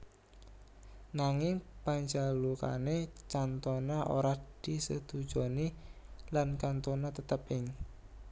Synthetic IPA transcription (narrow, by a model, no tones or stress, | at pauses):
naŋɪŋpaɲd͡ʒaluka̰net͡ʃant̪onaʔo̰ɾad̪̥i̤səd̪̥u̥d͡ʒ̥ɔnilankant̪onat̪ət̪əpɪŋ